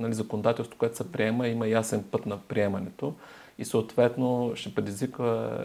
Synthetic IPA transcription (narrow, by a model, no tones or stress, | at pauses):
nɐlizɐkonod̪at̪ɛlˠst̪vo̥koɛt̪ʊ̥sɛpɾiɛməimɐjasɛnpɤt̪nɐpɾiɛmɐnɛt̪o | isəot̪vɛt̪noʃɛpɾɛd̪ʲizvikvə